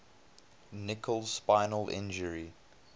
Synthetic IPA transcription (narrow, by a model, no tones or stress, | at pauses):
nɪkʰəlˠsspãɪnəlʔɪ̰̃nd͡ʒəɹi